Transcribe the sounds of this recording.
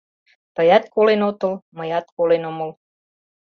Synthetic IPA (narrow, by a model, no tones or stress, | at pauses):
t̪əjɑt̪̚kolenot̪əlməjɑt̪̚kolenoməl